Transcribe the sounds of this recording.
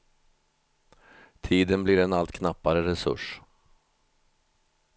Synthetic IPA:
t̪ʰiːd̪ənblɪɾɛnalt̪kʰnapːaɾəɾɛsɵ̰ʂ

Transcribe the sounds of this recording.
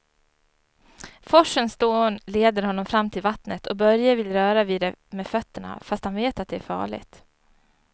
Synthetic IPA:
fɔʂːənsd̪oːnleːd̪əɾhɔnːɔmfɾamːt̪ʰɪlvat̪nət̪ʰɔbœɾjavɪlɾœːɾaviːd̪ɛmɛfœt̪ːəɳa̰fast̪hanveːt̪at̪̚d̪ɛæ̰ɾfɑ̰ːɭɪ̰ɡt̪

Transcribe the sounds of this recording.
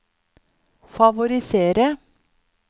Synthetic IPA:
fɑʋʊɾɪseːɾə

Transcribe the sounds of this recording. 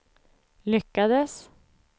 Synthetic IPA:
lʏkːad̪əs

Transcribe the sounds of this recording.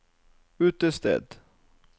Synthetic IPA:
ʉːt̪əst̪ɛ̰ːd̪

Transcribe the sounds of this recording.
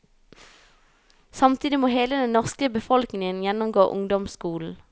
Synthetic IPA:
sɑmt̪ʰiːd̪ɪmoːɦeːləd̪ɛnnːɔʁskəbəfɔlknɪŋənjɛnʊmɡo̰ːʔʊŋd̪ɔmskuːln̩

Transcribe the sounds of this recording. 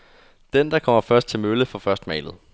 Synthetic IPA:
d̥end̥ɑ̈kʰɒ̽m̰ɐfɶɐsd̥̚t͡sʰe̝lmøləfɒ̽fɶɐsd̥mɛ̰ɪlð̞̩ˠ

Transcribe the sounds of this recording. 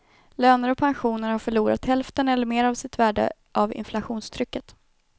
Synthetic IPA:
løːnəɾɔpʰanɧuːnəɾhaɾfœɭuːɾa̰t̪hɛlft̪ənɛlːəɾmeːɾavsɪt̪væːɖə̰ | ʔavɪ̰nflaɧuːnst̪ʰɾʏkːət̪

